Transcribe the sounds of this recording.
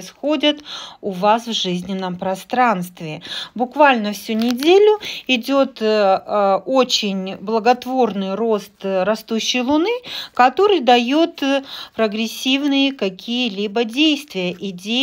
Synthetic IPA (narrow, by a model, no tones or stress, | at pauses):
sxo̞dʲət̪ʊvasvʐɨzʲnʲɪnːəmpɾɐst̪ɾanst̪vʲɪbʊkvalʲnəfsʲunʲɪdʲelʲʊɪdʲot̪ | ot͡ɕɪnʲblˠəɡɐt̪vo̞rnɨjro̞st̪ɾɐst̪uɕːɪjlˠʊnɨkɐt̪o̞ɾɨjd̪ɐjot̪pɾəɡɾʲɪsʲːivnɨjəkɐkʲijəlʲibədʲejst̪vʲɪjəʔɪdʲe